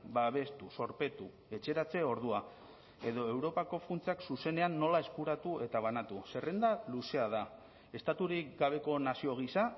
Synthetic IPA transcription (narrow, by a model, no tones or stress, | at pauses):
baβ̞e̞st̪uso̞ɾpe̞t̪u | e̞t͡ʃe̞ɾat͡se̞o̞ɾðua | e̞ðo̞e̞wɾo̞pako̞funt͡seaksuse̞ne̞anːo̞lae̞skuɾat̪ue̞t̪aβ̞anat̪use̞re̞nd̪aluse̞aða | e̞st̪at̪uɾikɡaβe̞ko̞nasio̞ɣ̞isa